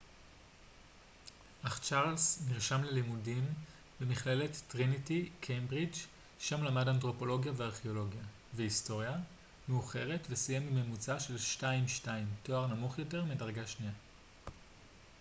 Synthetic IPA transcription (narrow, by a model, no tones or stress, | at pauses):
ʔaχt͡ʃaʁlsniʁʃamle̞limudim | bemiχle̞letːʁinitikʰembʁid͡ʒ | ʃamlamadant̬ʁo̞po̞lo̞ɡjaveaʁχeo̞lo̞ɡja | veisto̞ʁja | meuχe̞ʁe̞tvesijemimemut͡saʃe̞lʃtaimʃtaimto̞aʁnamuχjo̞te̞ʁmidaʁɡaʃnia